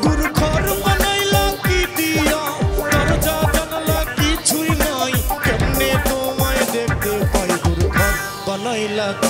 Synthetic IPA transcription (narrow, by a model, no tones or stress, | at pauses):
ɡuɾukʰɔɾbʌnajlakid̪ijɔt̪ɔɾd͡ʒad͡ʒanalakit͡ʃʰuinɔjkemnet̪omajd̪ek̚ʰt̪epaiɡuɾukʰɔɾ | bʌnajla